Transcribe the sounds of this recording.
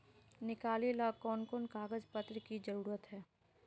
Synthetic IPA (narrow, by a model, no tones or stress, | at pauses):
nɪkaːlilakɔːnkoːnkaːɡəzpət̪ɾəkid͡ʒɐɾuːɾət̪ɦɛː